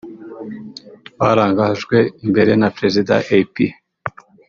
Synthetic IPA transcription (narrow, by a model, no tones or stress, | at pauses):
waɾaːŋɡaʒɡwe̞imbe̞ɾe̞napɾe̞zida̰ʔepi